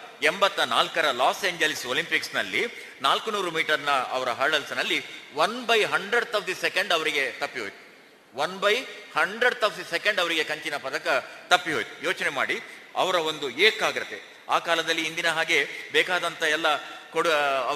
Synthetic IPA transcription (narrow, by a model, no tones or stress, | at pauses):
embɐt̪ːɐnaːlkɐɾɐlaːseːɲd͡ʒelisoːlimpiksnɐlːi | naːlkunuːɾumiːʈɐɾnɐɐ̰ʋɐɾɐɦɐːɭɐlsɐnɐlːiʋɐnbɐjɦɐɳɖɾɐɽt̪ɐpʰd̪isekeɳɖɐʋɐɾiɡe̞t̪ɐpːiɦoːjt̪u̥ | ʋɐnbɐjhɐɳɖɾɐɽt̪ɐpʰd̪isekeɳɖɐʋɐɾiɡe̞kɐɲt͡ʃinɐpɐd̪ɐkɐt̪ɐpːiɦoːjt̪u̥joːt͡ʃnema̰ːɽiɐ̰ʋɐɾɐo̞nd̪ueːkaːɡiɾɐt̪ːe | a̰ːkaːlɐd̪ɐlːiːnd̪inɐɦaːɡe̞bɛːkaːd̪ɐnt̪ɐɛlːɐkoɽ